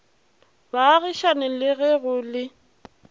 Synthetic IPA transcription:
baɣiʃanɪlɪɣɛɣʊlɪ

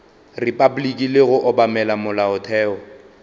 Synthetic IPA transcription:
ripʼabulikʼilɪɣʊʔɔbamɛlamʊlaʊtʰɛːɔ

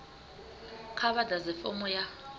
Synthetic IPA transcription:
kʰaβadazɛfɔ̰mɔja

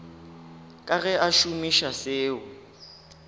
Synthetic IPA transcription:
kʼaɣɛʔaʃumiʃaseːʊ

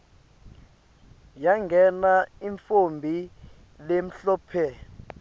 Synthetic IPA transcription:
jaŋɡʱɛnaiɱfombʱi | lem̩ɬɔːpʰɛ

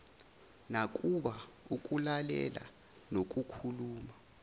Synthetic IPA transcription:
nak̬ʼuɓauk̬ʼulalɛ̰la̰ | nok̬ʼukʰuluːma

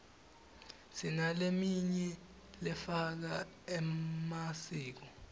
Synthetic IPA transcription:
sinalemiɲɛ | lɛfak̬a | ɛmasiːk̬ɔ

